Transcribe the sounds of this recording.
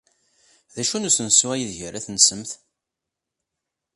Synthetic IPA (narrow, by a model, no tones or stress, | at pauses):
ðæʃunusənswæjiðʝəɾæθnsəmθ